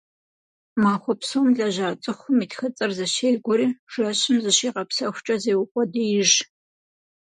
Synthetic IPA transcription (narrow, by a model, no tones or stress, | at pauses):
maːxʷɔpsoːmɮɐʑaːt͡sʼɨxʷʊmiːtxɐt͡sʼɨrzɐɕeːɡʷɔɾiːʒ̥ɐɕɪmzɨɕiːqɐpsɐxʷt͡ʃʼɐzeːwʊkʷʼɔdijɪʒ